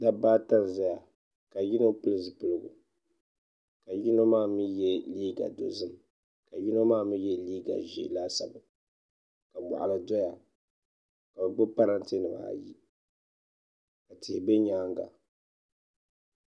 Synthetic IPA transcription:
da˦baː˦ta˦n˨za˦ja˨ | ka˨ji˦no˦pɨ˦lɨ˨zɨ˨pɨ˦lɨ˦ɡʊ̰˨ | ka˨ji˦no˦maː˦˨mɨ˦jɛ˦liː˦ɡa̰˨do̰˨zɨ˦m˨ | ka˨ji˦no˦maː˦˨mɨ˦jɛ˦liː˦ɡa̰˨ʒḭ˨la˦sa˨bʊ˨ | ka˨mɔ̰˨ʔa̰˨lɨ˨dɔ˦ja˨ | ka˨bɨ˨ɡ͡bʊ˦pa˦ɾa˦n˦ti˦nɨ˨ma̰˦˨ji˦ | ka˨tɪ˨bɛ˦ɲaː˦ŋɡa̰˨

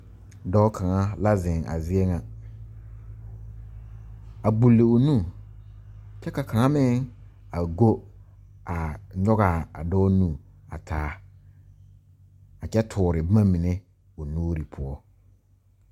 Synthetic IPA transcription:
dɔː˦kʰa˨ŋa˦la˦zɪ̃˨ŋa̰˨zɪ˦e˦ŋã˨ | a˨ɡ͡bu˨lːe˨o˨nũ˦˨ | t͡ʃɛ˦ka˨kʰa˨ŋa˦mɪ̃˦ŋ | a˨ɡo˦ | a˨ɲɔ˦ɣa˨a̰˨dɔː˦nũ˦˨ | a̰˨tʰaː˨˦ | a˨t͡ʃɛ˦tʰʊː˨ɾɪ˨bmã˦mĩ˨ne˦ | o˨nuː˦ɾi˨pʰʊ˦ɔ˦

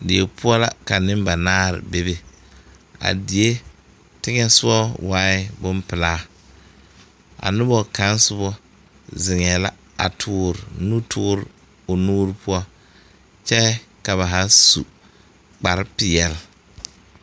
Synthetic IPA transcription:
dɪ˨e˨pʰʊ˦ɔ˦la̰˦ka˨nɪ˦m˦ba˨naː˦ɾɪ̰˨be˦be˨ | a̰˨di˨e˦ | tɪ˦ŋɛ˦sʊ˦ɔ˦waː˦ɪ˦bʊ˦mpɪ˨laː˦ | a̰˨nʊ˦bɔ˨ka˨˦n˦sʊ˦bɔ˦ | zɪ˨ŋɛ˨la˦ | a̰˨tʰʊː˨˦ɾɪ˨nu˦tʰʊː˦ɾɪ˨ | o˨nuː˦ɾɪ˦pʰʊ˦ɔ˦ | t͡ʃɛ˦ka˨βa˨ɦa˦su˨ | k͡pa˨ɾɪ˦pɪ˨jɛ˨l

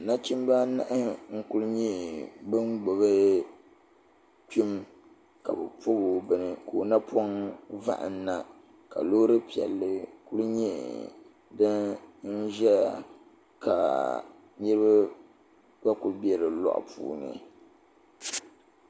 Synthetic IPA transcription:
na˦t͡ʃi˦m˦ba˦na̰˦ʔɨ˦ŋ̩˦kʊ˦lɲɛ˦bɨ˦ŋɡ͡bo˨bɨ˦ | ki˦m | ka̰˨bɨ˨po˦bo˨bɨ˨nɨ˨ko˨na˦pʰo˦ŋva̰˦ʔɨ̰˨n˦na˦ | ka̰˨lo˦ɾɨ˦pi˨ɛ̰˨lːɨ˦ku˦lɲɛ˦ | dɨ˦nn̩˦ʒɛ˦a˨ | ka̰˨ | ɲɛ˦ɾɨ˦ba˦ | ba˦ku˨lbi˦ɛ˦ɾɨ˨lɔ̰˦ʔpṵː˦nɨ̰˨

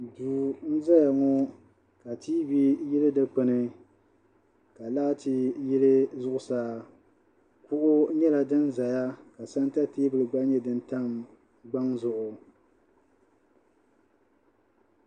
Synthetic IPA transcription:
duː˨n̩˦za˦ja˨ŋɔ˦ | ka˨tiː˦bi˦ji˦lɨ˦dɨ˦k͡pɨ˨nɨ˦ | ka˨laː˦tʰi˦ji˦lɨ˦zʊ˦ʔʊ˨saː˦ | kʊ˦ʔʊ˦ɲɛ˦la˨dɨ˦nza˨ja˦ka˨sa˦n˦ta˦teː˦bɨ˦lɨ˨ɡ͡ba˦ɲɛ˦dɨ˦n˦ta˦m | ɡ͡ba˦ŋzʊ˨ʔʊ˨

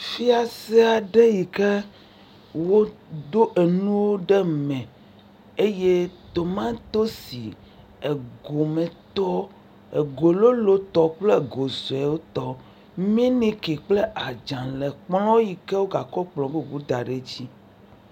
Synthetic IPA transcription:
fi˦a˨se˦a˨ɖe˦ji˨kɛ˦ | wwo˦d̪o˦ʔe˨nũ˦wo˦ɖe˦mɛ̃˨ | e˦je˦t̪o˨mã˦t̪o˦si˨ | e˨ɡo˨mẽ˨t̪ɔ˦ | e˨ɡo˨lo˦lo˦t̪ɔ˦k͡ple˦ɡo˨zo˨e˨wo˦t̪ɔ˦ | mĩ˦nĩ˦ki˨k͡ple˦ʔa˨d͡ʒã˨le˨k͡plɔ̃˦wji˨ke˦wo˦ɡa˨kɔ˦k͡plɔ̃˨be˦bu˦d̪a˨ɖe˨d͡ʑi˦

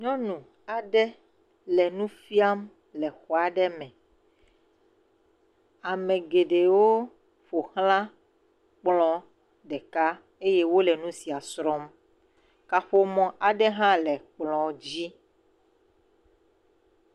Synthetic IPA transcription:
ɲɔ̃˦nũ˨ | a˨ɖɛ˦ | lɛ˨nũ˦fi˦a˦m | lɛ˨xɔ˨a˨ɖɛ˦mɛ̃˨ | a˨mɛ̃˨ɡe˨ɖe˨wo˦ | ɸo˨hlã˦ | k͡plɔ̃˦ | ɖɛ˨ka˦ | e˦je˦wo˦lɛ˨nũ˦si˨a˨sɾɔ˦m | ka˨ɸo˦mɔ̃˨ʔa˨ɖɛ˦ɦã˦lɛ˨k͡plɔ̃˨d͡ʑi˦

